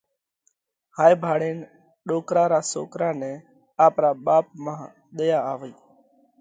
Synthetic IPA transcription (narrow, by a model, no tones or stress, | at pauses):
haːjbʱaːɽeːn | ɗoːkɾãːɾaːso̰ːkɾaːnɛ̃ː | aːpɾaːɓaːp̚mãː | ɗ̪əjaːaːʋiː